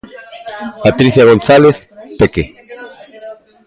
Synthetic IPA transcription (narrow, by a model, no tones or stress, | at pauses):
pat̪ɾiθjaɣ̞onθaleθpeke